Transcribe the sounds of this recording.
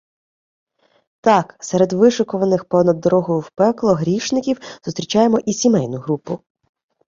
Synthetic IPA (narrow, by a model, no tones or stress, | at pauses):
t̪ɑksɛɾed̪ʋɪʃʊkɔʋɐnɪxpɔnɐd̪ːɔɾɔɦɔjʊwpɛklˠɔɦɾʲiʃnɪkʲiwz̥ʊst̪ʲɾʲit͡ʃɑjemɔʔisʲimɛjnʊɦɾupʊ